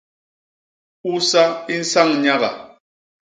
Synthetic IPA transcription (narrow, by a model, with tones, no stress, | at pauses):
u˦sa˦i˦n̩˦sa˦˨ŋɲa˦ɣa̰˨